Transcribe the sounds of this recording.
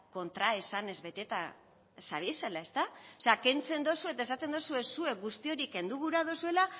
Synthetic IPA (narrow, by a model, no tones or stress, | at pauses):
ko̞nt̪ɾae̞sane̞zβe̞t̪e̞t̪a | sa̰β̞ise̞lae̞st̪aoseake̞nt͡se̞nd̪o̞sue̞t̪aes̬at̪e̞nd̪o̞sue̞sue̞k̚ɡust̪io̞ɾike̞nd̪uɣuɾað̞o̞sue̞la